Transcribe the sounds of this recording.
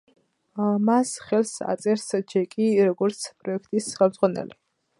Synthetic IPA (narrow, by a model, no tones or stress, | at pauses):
masχɛlsa̰t̪sʼɛɾsd͡ʒɛkʼiɾɔɡɔɾt̪sʰpʼɾɔɛkʰt̪ʼisχɛlˠmd̪zʁwanɛ̰li